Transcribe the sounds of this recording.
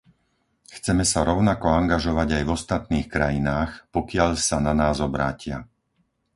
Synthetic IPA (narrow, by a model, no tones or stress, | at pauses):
xt͡sɛmɛsaɾɔʊnakɔaŋɡaʒɔʋaɟajvɔst̪at̪̚niːxkɾajinaːxpɔkɪaʎsananaːzɔbɾaːcɪa̰